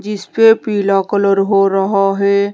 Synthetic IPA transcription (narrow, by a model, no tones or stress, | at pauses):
d͡ʒɪspepiːlakələɾɦoɾɐɦaɦɛː